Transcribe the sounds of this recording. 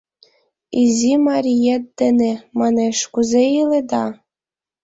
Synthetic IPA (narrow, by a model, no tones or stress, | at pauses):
izʲimɑɾʲijet̪ːɘ̆nemɑneʃkuzeiled̪ɑ